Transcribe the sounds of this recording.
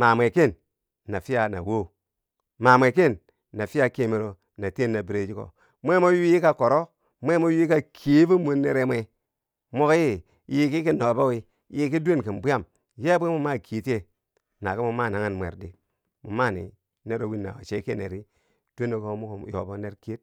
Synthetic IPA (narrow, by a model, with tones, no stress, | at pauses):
ma˨mʷ˨e˨ke˦˨nː | a˨fi˦ja˨na̰˨wo˦ | ma˨mʷ˨e˨k̬e˦˨nː | a˨fi˦ja˦ke˦mi˨ɾo˨ | na˨te˦˨nːa˨bi˨ɾe˨d͡ʒi˦ko̰˨ | mʷe˦mo˦ji˦ji˦ka˦ko˨ɾo˦ | mʷe˦mo˦ji˦i˦ka˦kʰi˨˦vi˦mu˦ne˨ɾe˦mʷe˨ | mo˦kji˦˨ | ji˨ki˦ki˦no˨bo˦wi˦ | ji˨k̬i˦du˦e˦n˨ki˨n˨bu˦ja˦m | je˦bʷe˦mu˦ma˦kʰi˨˦te˦ | na˨ki˦mu˨ma˦˨na˨ŋa˦nmʷ˨ḛ˨ɾdi˨ | mu˨ma˦˨nḭ˨ | ne˦ɾo˨wi˦nːa̰˨wa̰˨t͡ʃe˦ke˦˨nḛ˨ɾi˦ | d̥u˦e˦no˨ko˦mu˦kjo̰˨bo˦ne˦ɾke˦t̚